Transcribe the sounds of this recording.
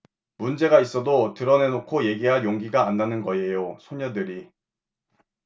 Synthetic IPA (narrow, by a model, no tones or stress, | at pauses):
mund͡ʑe̞ɡais͈ʌdotɯɾʌne̞nokʰoje̞ɡiɦaɭjoŋɡiɡaːnːanɯnɡʌe̞josʰoɲʌdɯɾi